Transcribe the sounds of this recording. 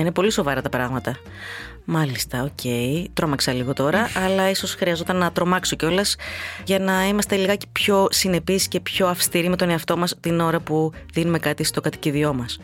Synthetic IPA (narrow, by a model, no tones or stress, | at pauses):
ine̞po̞liso̞vɐɾɐt̪ɐpɾɐɣmɐt̪ɐ | mɐlist̪ɐocʰe̞jt̪ɾo̞mɐksɐliɣo̞t̪o̞ɾɐʔɐlɐiso̞sxɾiɐzo̞t̪ɐnːɐt̪ɾo̞mɐkso̞ceo̞lɐsʝɐnɐimɐst̪eliɣɐe̥pço̞sine̞pisce̞pço̞ɐfst̪iɾime̞t̪o̞ne̞ɐft̪o̞mɐst̪ino̞ɾɐpuðinume̞kɐt̪ist̪o̞ɡɐt̪i̥ciðio̞mɐs